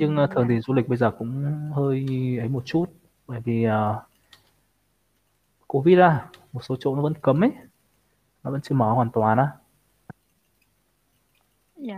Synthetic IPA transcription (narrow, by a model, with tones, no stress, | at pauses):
ɲɨ˧ŋː˨˩t̪ʰɨ˨˩əŋt̪i˧˨˩nzu˧lï˨˩ɓə˧jzəː˨˩kʊ̰˧˥ŋ͡mhəː˧jʔə˨˦jmo˨˩t̚t͡ɕu˦˥t̚ | ɓə̰ː˧˨jvi˨˩ʔəː˨˩ | ko˧˦vi˦˥t̚zaː˧˩mo˨˩t̚so˨˦t͡ɕo̰˧˨nɔ˨˦və̰˧˥˦nkə˨˦mʔə˨˦ | laː˨˩və̰˧˥nt͡ɕɨ˧əmɔː˨˩hwaː˨˩nt̪waː˨˩naː˨˧˦